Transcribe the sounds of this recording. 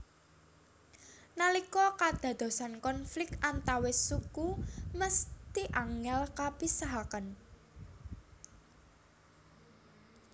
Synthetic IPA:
nalikɔkad̪̥ä̤d̪̥o̤sankɔnflɪkʔant̪awesukuməst̪iʔaŋɛlkapisaɦakən

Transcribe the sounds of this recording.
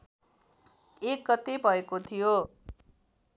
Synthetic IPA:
ek̚ɡʌt̪ebʱʌekot̪ʰijo

